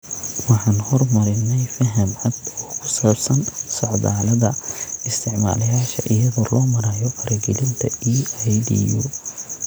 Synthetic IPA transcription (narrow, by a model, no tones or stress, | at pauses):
wɑħɑːnhɔrmɐɾɪnːɛjfɐɦɐmʕɐd̪ɔːkʰʊ̥saːbsɐnsɔʕðaːlɐðɐɪst̪ʰɪʕma̰ːlɐjaːʃɐʔɪjɐðɔːlɔːmɐɾaːjɔkʰɐɾʔɐɡɛlɪnt̪ʰɐiːajdḭjṵː